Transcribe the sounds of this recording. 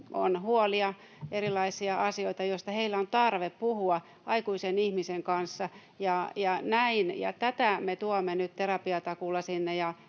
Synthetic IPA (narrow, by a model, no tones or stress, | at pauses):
o̰nhuoliɑ | erilɑisiɑɑsioit̪ɑjoist̪ɑheilːæont̪ɑrʋeppuhuɑ | ʔɑikuisenihmiseŋkɑnsːɑ | jɑjɑnæinjɑ̰t̪æt̪æmet̪uomːenyt̪t̪erɑpiɑt̪ɑkulːɑsinːejɑ